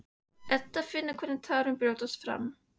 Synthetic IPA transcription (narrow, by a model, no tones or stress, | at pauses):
ʔɛt̪ːafɪnːəɾkʰɔnɛt̪ʰœːɾənbɾuːt̪ɔsfɾa̰mː